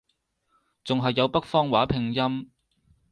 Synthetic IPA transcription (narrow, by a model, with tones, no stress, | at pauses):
t͡sʊ˨ŋɦɐ˨jːɐ˨˧wpɐ˥k̚fɔː˥ŋwaː˨˥pʰɪ˨ŋjɐ˥m